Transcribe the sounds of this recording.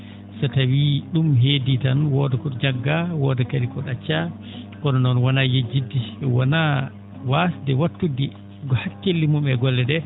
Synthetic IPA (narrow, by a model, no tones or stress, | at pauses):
satawiɗumɦeːditanwɔdɔkɔɗɔd͡ʒaɡːawɔdɛkadikɔɗat͡ʃːa | kɔɗɔnɔnwɔnajed͡ʒːidːiwɔna | wasdɛwatːudi | ɡɔhakːelːimumɛɡɔlːɛdɛ